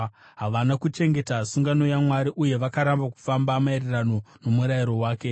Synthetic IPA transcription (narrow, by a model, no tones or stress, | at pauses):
ɦaʋanakut͡ʃe̞ŋɡe̞tasuŋɡano̞jamwaɾiʔuje̞ʋakaɾambaku̥fambamaeɾerano̞no̞muɾajiɾo̞waːke̞